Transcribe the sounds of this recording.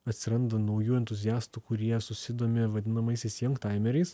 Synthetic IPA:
ɐt̪ʲsʲɪɾɐnd̪ɐnɒʊjuːɛnt̪ʊzʲɪjæːst̪uːkʊɾʲiɛsʊsʲɪd̪oːmʲɪʋɐd̪ʲɪnɐmɐɪsʲɛɪsʲjɛŋkt̪ɑɪmʲɛɾʲɛɪs

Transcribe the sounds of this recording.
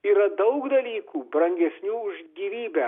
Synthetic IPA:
iːɾɐd̪ɐʊkd̪ɐlʲiːkuːbɾɐŋʲɡʲɛsʲnʲuːʊʒɡʲiːʋʲiːbʲɛ

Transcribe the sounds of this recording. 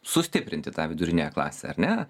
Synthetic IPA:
sʊsʲt̪ʲɪpʲɾʲɪnʲt̪ʲɪt̪ɑːʋʲɪd̪ʊɾʲɪnʲejɛklˠɑ̰ːsʲḛɐɾʲnʲɛ

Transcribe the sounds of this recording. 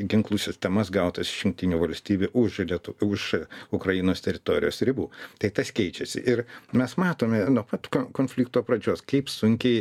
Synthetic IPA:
ɡʲɪŋklˠuːsʲɪsʲt̪ʲɛmɐsɡɐʊt̪ɐsɪʃjʊŋkt̪ʲɪnʲuʋɐlʲsʲt̪ʲiːbʲuʔʊʃlʲiɛt̪ʊʊʃʊkɾɐjinoːst̪ʲɛɾʲɪt̪oːɾʲɪ̰joːsɾʲɪbuːt̪ɐɪt̪ɐskʲɛɪt͡ʃʲɛsʲɪ̰ʔɪɾmʲɛsmɑːt̪oːmʲɛnuɔpɐt̪kokoːnʲfʲlʲɪːk̚t̪oːɐpɾɐd͡ʒʲoːskɐɪpsʊŋʲkʲɛɪ

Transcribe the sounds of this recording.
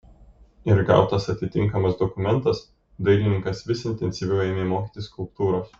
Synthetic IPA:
ɪɾɡɑ̰ˑʊt̪ɐsɐt̪ʲɪt̪ʲɪŋkɐmɐsd̪ɔkʊmʲɛnˑt̪ɐs | d̪ɐɪlʲɪnʲɪŋkɐsʋʲɪsɪnʲt̪ʲɛnʲsʲiʋʲɛʊɛːmʲeːmoːkʲiːˑt̪ʲɪskʊlˠp̚t̪uːɾoːs

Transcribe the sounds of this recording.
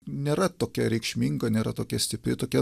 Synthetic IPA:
nʲeːɾɐt̪oːkʲɛɾʲɛɪkʃʲmʲiːŋɡɐnʲeːɾɐ̰t̪oːkʲɛsʲt̪ʲɪpʲɾʲɪt̪oːkʲɛ

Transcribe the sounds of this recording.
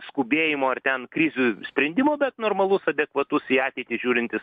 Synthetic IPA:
skʊbʲeːjɪmoːɐrt̪ʲɛnkɾʲɪzʲusʲpʲɾʲɛnʲd̪ʲɪmoːbʲɛt̪noːrmɐlˠʊsɐd̪ʲɛkʋɐt̪ʊsiːɑːt̪ʲɛɪt̪ʲɪsʒʲuːɾʲɪnʲt̪ʲɪs

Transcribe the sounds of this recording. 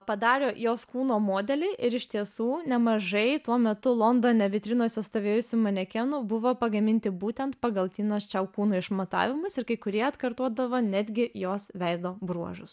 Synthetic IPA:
pɐd̪ɑːɾʲoːjoːskuːnoːmoːd̪ʲɛlʲɛɪʔɪɾɪʃʲt̪ʲiɛsuːnʲɛmɐʒɐɪt̪uɔmʲɛt̪ʊlˠoːnd̪oːnʲɛʋʲɪt̪ʲɾʲɪnoːsʲɛst̪oːʋʲeːjʊsʲɪmɐnʲɛkʲɛnʊbʊʋoːpɐɡɐmʲɪnʲt̪ʲɪbuːt̪ʲɛnt̪pɐɡɐlˠt̪ʲiːnɐst͡ʃʲɛʊkuːnuːɪʃmɐt̪ɑ̰ːʋʲɪmʊsɪɾkɐɪkʊɾʲiɛɐt̪kɐɾt̪uɔd̪ɐʋoːnʲæːd̪ʲɡʲɪjoːsʋʲɛɪd̪oːbɾuɔʒʊs

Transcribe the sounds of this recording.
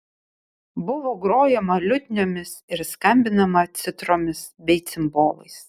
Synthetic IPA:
bʊʋoːɡɾoːjɛmɐlʲʊd̪ʲnʲoːmʲɪsɪɾskɐmʲbʲɪnɐmɐt̪sʲɪt̪ɾoːmʲɪsbʲɛɪt̪sʲɪmboːlˠɐ̰ɪs

